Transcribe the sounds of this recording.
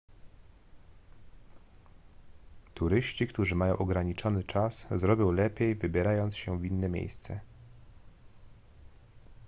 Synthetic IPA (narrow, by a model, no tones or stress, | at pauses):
t̪uɾɘɕt͡ɕikt̪uʐɘmajɔ̃w̃ʔɔɡɾaɲit͡ʂɔnɘt͡ʂaszɾɔbʲjɔ̃w̃lɛpʲjejvɘbʲjɛɾajɔnt̪sɕɛvʲinːɛmʲjḛjst̪sɛ̰